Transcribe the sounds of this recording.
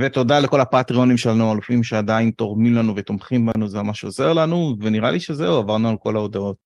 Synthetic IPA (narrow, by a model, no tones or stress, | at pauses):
vet̪o̞d̪aleko̞lapat̪ʁio̞nimʃelanualufimʃead̪aint̪o̞ʁmimlanuvet̪omχimbanuzeamaʃeoze̞ʁlanuveniʁa̰liʃezeuavaʁnualko̞lao̞d̪ao̞t̪̚